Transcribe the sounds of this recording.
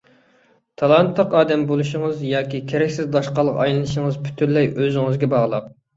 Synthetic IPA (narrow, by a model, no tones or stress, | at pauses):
t̪ʰɑlˠɑnt̪lˠəqɑːd̪ɛmbolˠuʃəŋəzjɑːkʲikʲʰeɾɛkʲsɪzd̪ɑʃqɑlˠːəqɑ̰jlˠɨnɨʃəŋəzpʰy̥t̪ʰynlːɛjøzɪŋɨzɡʲɛbɑʁlˠəq̚